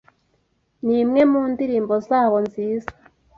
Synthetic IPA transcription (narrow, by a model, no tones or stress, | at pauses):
nimŋe̞muːndiɾiːmbo̞zaːβo̞nziːza